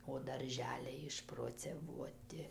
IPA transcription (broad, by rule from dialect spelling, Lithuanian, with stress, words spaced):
oː dɐrʲˈʒʲæːlʲɛɪ ɪʃproːt͡sʲɛˈʋuɔtʲɪ